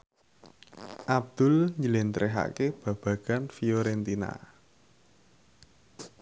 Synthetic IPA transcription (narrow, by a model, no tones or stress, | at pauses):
ʔab̚d̪̥ʊ̤lɲd͡ʒəlent̪ɾʔeɦa̰keb̥ä̤b̥ä̤ɡ̥a̤nfioɾent̪ina̰